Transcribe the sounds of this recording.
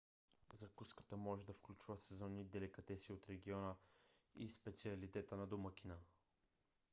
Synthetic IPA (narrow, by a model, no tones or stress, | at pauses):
zɐkuskə̥t̪əmɔʒɛd̪ɐfklʲut͡ʃuvəsɛzɔnid̪ɛlɛkɐt̪ɛsiot̪ɾɛɡʲiɔnəispɛt̪siɐlit̪ɛt̪ənɐd̪omək̟inə